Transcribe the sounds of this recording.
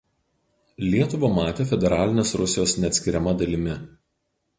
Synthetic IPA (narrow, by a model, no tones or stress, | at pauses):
lʲiɛt̪ʊʋɐmɑːt̪ʲeːfʲɛd̪ʲɛɾɑːlʲɪnʲeːsɾʊsʲɪjoːsnʲɛɐt̪sʲkʲɪɾʲɛmɐd̪ɐlʲɪmʲɪ